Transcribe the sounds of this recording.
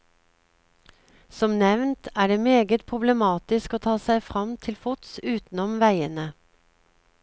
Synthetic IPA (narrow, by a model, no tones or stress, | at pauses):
sɔmnɛʋnt̪ʰæːɖeːmeːɡət̪̚pʰʁʊbləmɑːt̪ɪskoːt̪ʰɑːsæɪfʁɑmt̪ʰɪlfʊt̪sʉːt̪n̩ɔmʋæɪənə